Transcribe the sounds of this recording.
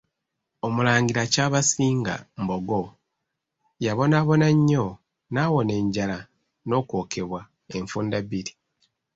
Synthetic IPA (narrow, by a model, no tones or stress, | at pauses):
omulaːɲɡiɾacaːβasiːŋɡa̰mbo̞ɡo̞ | jaβo̞naːβo̞naɲːo | naːwo̞ne̞ːɲɟala | no̞ːkwo̞ːkʰe̞βwa | e̞ɱfuːndaβiɾi